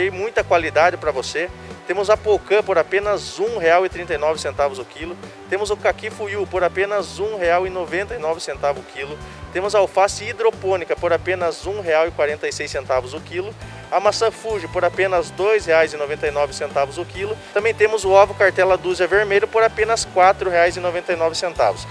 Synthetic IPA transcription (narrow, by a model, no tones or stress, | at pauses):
ejmũj̃t̪ɐkwalid̪ad͡ʒɪpɾɐvoset̪ẽmʊzɐpokɐ̃poɾapẽnɐzũheawɪt̪ɾĩnt̪ɐjnɔvɪsẽnt̪avʊzʊkilʊt̪ẽmʊzʊkakifujupoɾapẽnɐzũheawɪnovẽnt̪ɐinɔvɪsẽnt̪avʊkʰilʊ | t̪ẽmʊzawfasɪid̪ɾopõnikɐpoɾapẽnɐzũɦeawɪkwaɾẽnt̪ɐjsejsẽnt̪avʊzʊkilʊ | amasɐ̃fuʒɪpoɾapẽnɐzd̪ojsheajzɪnovẽnt̪ɐjnɔvɪsẽnt̪avʊzʊkilʊt̪ɐ̃mbẽj̃t̪ẽmʊzʊavʊkaɾt̪ɛlɐd̪uziɐveɾmejʎʊpoɾapẽnɐskwat̪ɾʊɦeajzɪnovẽnt̪ɐjnɔvɪsẽnt̪a̰vʊs